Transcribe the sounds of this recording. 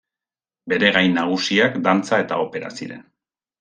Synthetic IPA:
be̞ɾe̞ɣajnaɣ̞usiakd̪ant͡sae̞t̪ao̞pe̞ɾa̰sḭɾen

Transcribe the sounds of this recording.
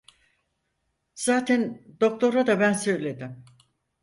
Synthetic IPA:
z̥aːt̪ʰænd̪o̞k̚t̪ʰo̞ɾad̪abænsø̞jlʲe̞d̪ɪm

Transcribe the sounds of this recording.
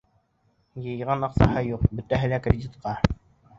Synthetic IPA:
jɤ̆jʁɑnɑqsɑhɤjuqbɵ̆t̪æɦɘlækrʲɪdʲit̪qɑ

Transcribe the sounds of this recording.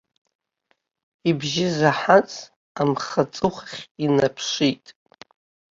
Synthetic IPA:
ibʒɪzaħat͡sʼ | amχat͡sʼɨχχʲinapʰʂitʼ

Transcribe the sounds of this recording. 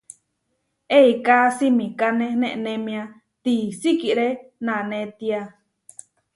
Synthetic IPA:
eikasimĩkanẽnẽʔnẽmĩã | t̪isikiʔɾenãnẽt̪ia

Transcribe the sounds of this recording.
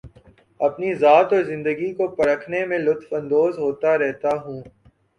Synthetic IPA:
ɐpnizaːt̪ɔːɾzɪ̃nd̪əɡikopɐɾəkʰnemẽlʊt̪fɐ̃nd̪oːzɦoːt̪aɾɛɦt̪aɦũː

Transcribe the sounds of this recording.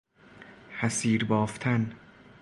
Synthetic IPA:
hæsiːɾbɒːft̪ʰæn

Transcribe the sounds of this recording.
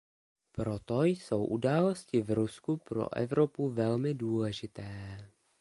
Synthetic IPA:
pɾo̞t̪ojso̞wʔudaːlo̞scɪvɾuskupɾo̰ʔɛ̰vɾo̞puvɛlmɪduːlɛʒɪt̪ɛː

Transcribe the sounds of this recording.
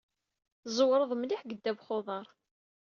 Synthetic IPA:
zˤwɾˤəðˤmliħɡəd̪ːæbχoðˤɑɾˤ

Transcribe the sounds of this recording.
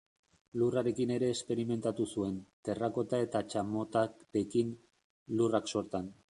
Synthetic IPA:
luraɾe̞kine̞ɾe̞ːspe̞ɾime̞nt̪at̪usue̞nt̪e̞rako̞t̪ae̞t̪at͡ʃamo̞t̪akbe̞kin | lurakso̞ɾt̪an

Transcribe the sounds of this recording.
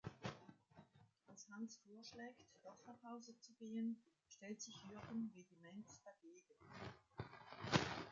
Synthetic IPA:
ʔalshansfoːɐʃlɛːktd̥ɔχɐpʰaʊzət͡suɡ̥eːən | ʃtɛltz̥ɪçhyɐɡənveɡimɛntd̥aɡeːɡ̥ən

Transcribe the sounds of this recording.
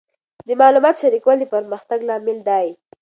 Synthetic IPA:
d̪əmɑlumɑt̪ʃaɾikwalipəɾməxt̪aɡlɑmɪld̪ɑji

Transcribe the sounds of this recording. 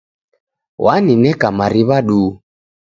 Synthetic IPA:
wʔaninɛkamaɾiβaɗuː

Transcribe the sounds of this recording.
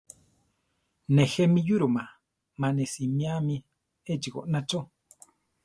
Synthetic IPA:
nehemĩjuɾuma | mãnesimĩami | ed͡ʒiko̰ʔnat͡ʃo

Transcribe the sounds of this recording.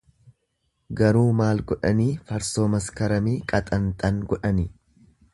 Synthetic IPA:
ɡɐɾuːmaːlɡɔᶑɐniːfɐɾso̞ːmɐskɐɾɐmiːkʼɐt̪ʼɐnt̪ʼɐŋɡɔᶑɐnɪ

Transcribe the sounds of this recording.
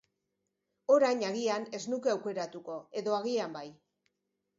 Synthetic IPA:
o̞ɾajɲaɣiane̞znukeawke̞ɾat̪uko̞e̞ðo̞aɣiambaj

